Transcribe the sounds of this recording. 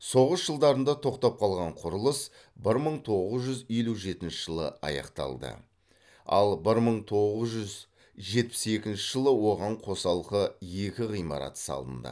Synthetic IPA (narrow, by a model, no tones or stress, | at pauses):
so̞ʁəsʒ̥əlˠd̪ɑɾənd̪ɑt̪ʰo̞qt̪ɑp̚qʰɑlˠʁɑɴqʰʊɾəlˠəs | bɪɾməɴt̪ʰo̞ʁəzʒʏzijluʒe̞t̪ɪnʃɪ̥ʒ̥əlˠə̰ɑ̰jɑ̰qt̪ɑ̰lˠd̪ə̰ | ɑ̰lˠbɪɾməɴt̪ʰo̞ʁəzʒʏz | ʒe̞t̪̚pɪ̥se̞kʲɪnʃɪʒəlˠəwo̞ʁɑɴqʰo̞sɑlˠqəjekʲɪʁijmɑ̰ɾɑ̰t̪ə̥sɑ̰lˠd̪ə̰nd̪ə̰